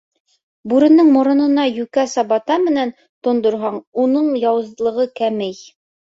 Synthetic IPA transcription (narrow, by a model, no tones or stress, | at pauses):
buɾɘ̆nːɤɴmŏɾŏnɤ̆nɑjʉkæsɑbɑt̪ɑmɘ̆næn | t̪ŏnd̪ŏɾɦɑɴunɤɴjɑwɤ̆zlˠɤ̆ʁɤkæmɘj